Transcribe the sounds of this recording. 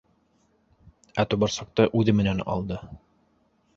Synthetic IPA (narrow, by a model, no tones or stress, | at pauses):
æt̪ubɑɾsɑq̚t̪ɤʔʉðɘmɘ̆nænɑ̰lˠd̪ɤ